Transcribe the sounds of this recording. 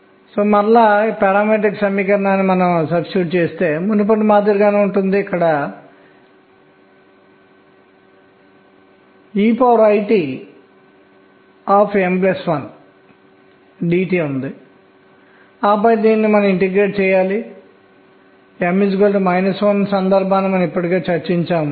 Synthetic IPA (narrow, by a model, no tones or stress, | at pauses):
soːmɐlːaːpɛɾaːmeʈ̬iksɐmiːkɐɾɐnaːnːimɐnɐmsɐbsuːʈ̚t͡ʃeːst̪e̞ːmund̪up̬ɐʈːimaːt̪̬iɾiɡaːneːuɳʈund̪iːkːɐɽɐ | iːpaːɾɐjʈiː | aːpʰemplesʋɐn | ɖiːʈiːund̪i | aːpɐd̪iːnːimɐnɐmiɳʈiɡɾe̞ːʈ̚t͡ʃɛːjaːli | emːid͡ʒɡolʈmɐjnɐsonsɐnd̪ɐɾbʱaːnːimɐnɐmipːɐʈikeːt͡ʃɐɾt͡ʃiɲt͡ʃaːm